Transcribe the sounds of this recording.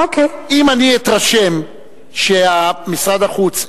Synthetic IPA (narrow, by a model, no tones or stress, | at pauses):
okeimaniit̪ʁaʃe̞m | ʃeamisʁad̪aχut͡s